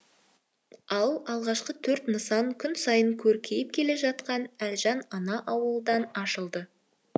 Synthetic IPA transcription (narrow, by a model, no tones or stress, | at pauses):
ɑlˠɑlˠʁɑʃqət̪ʰɵɾt̪nəsɑŋkʲʰʏnsɑjəŋkʲʰɵɾkʲʰe̞jɪp̚kʲʰe̞le̞ʒɑt̪qɑnælʒɑnɑnɑʔɑwəlˠd̪ɑnɑʃəlˠd̪ə